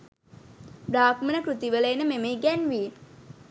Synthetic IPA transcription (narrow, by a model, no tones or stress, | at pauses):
bɾaːkmənəkɾut̪iʋələːnəmemeiɡænʋiː